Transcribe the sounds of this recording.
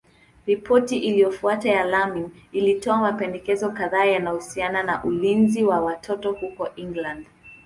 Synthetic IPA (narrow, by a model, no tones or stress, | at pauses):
ɾipʰɔtiʔilijɔfuatajalamiŋilitɔamapɛndɛkɛzɔkaðaːjanahusiananaʔulinziwawatʰɔtɔhukɔʔiŋɡlãnd